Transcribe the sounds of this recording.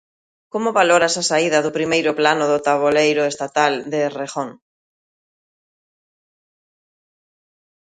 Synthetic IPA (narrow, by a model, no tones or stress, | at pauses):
komoβaloɾasasaiðɐðʊpɾimejɾʊplanʊðʊt̪aβ̞olejɾʊest̪at̪ald̪ereχoŋ